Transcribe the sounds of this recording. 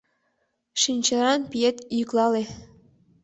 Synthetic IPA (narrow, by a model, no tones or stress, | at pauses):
ʃinʲt͡ɕɤ̆ɾɑnpʲijet̪jyklˠɑle